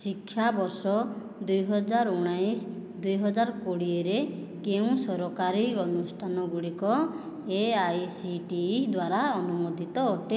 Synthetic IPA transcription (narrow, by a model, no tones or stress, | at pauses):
sikʰːjabɔɾsɔ | d̪ujɦɔd͡ʒaɾuɽ̃ajsd̪ujɦɔd͡ʒaɾkoɽieɾe | keũsɔɾɔkaɾiɔnusʈʰanɔɡuɽikɔ | eajsiʈid̪waɾaɔnumod̪ʱit̪ɔːʈe